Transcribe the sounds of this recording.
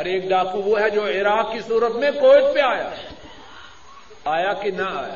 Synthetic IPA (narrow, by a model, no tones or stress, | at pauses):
ɔɾeːk̚ɖaːkuʋoɦɛd͡ʒoːɪɾaːkkisuːɾət̪mẽkoːɪt͡ʃbiaːja̰ː | aːjakinɐa̰ːja̰ː